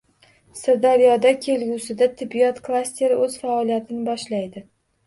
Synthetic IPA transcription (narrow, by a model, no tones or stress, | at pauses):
sɪɾd̪aɾjɒd̪akʲʰe̞lɡʲusɪd̪at̪ʰɪbijɒt̪kʰlˠasʲt̪ʰe̞ɾɵz̥faɒlijat̪ʰɪnɪbɒʃlajd̪ɪ